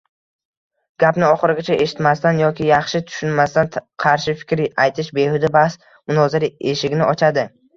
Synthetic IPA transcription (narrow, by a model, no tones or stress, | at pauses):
ɡ̥ʲapnɪɒχɨɾɪɡʲat͡ʃʰaʔe̞ʃɪ̥t̪mast̪anjɒkʲɪjɑχʃɪt̪ʰʊ̥ʃʊnmast̪anqʰɑɾʃɪfɪ̥kʲɾajt̪ʰɪʃbe̞hʊd̪abahs | mʊnɒzɪɾe̞ʃɪɡʲnɪʔɒt͡ʃʰad̪ɪ